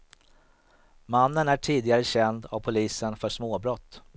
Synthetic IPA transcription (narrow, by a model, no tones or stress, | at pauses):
manːənæʈʰiːd̪ɪɡaɾəɕɛnd̪avpʰʊliːsənfœʂmoːbɾɔt̪ː